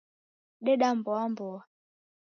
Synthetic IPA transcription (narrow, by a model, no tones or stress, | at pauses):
ɗɛɗambɔambɔa